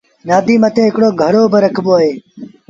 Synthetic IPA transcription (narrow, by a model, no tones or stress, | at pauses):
naːd̪iːmət̪ʰẽːɦɪkɽoːɡʱəɽoːbəɾəkʰboːaːɦeː